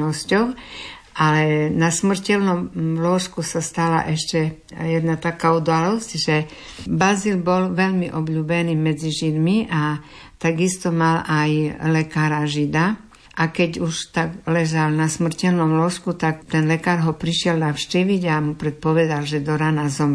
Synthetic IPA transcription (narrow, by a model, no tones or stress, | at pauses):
ɔscɔʊ | ʔalɛnasmr̩cɛlnɔmlɔʃkusast̪ala̰ʔɛʃcɛ | jɛd̪nat̪akaud̪alɔscʒɛ | bazilbɔlʋɛʎmiʔɔbʎuːbɛniːmɛd͡ziʒid̪miʔa | t̪aɡist̪ɔmalajlɛkaːɾaʒid̪a | ʔakɛɟuʃt̪aɡlɛʒalnasmr̩cɛlnɔmlɔʃkut̪akt̪ɛnlɛkaːɾɦɔpɾiʃɪɛlnafʃciːʋiɟamupɾɛt̪̚pɔʋɛd̪alʒɛd̪ɔɾanazɔm